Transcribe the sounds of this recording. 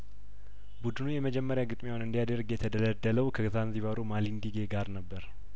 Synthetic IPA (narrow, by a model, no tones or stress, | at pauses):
bud̪ɨnujɛməd͡ʒɛmːəɾjaɡɨt̪ʼmewonɨnd̪ijad̪əɾɡjɛt̪ʰəd̪ələd̪ːələwkʰəɡɨzanziβaɾumalind̪iɡeɡaɾnəbːəɾ